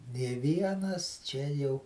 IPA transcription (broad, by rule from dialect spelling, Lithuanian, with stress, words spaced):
nʲeː ˈʋʲiɛnɐs ˈt͡ʃʲɛ jɛʊ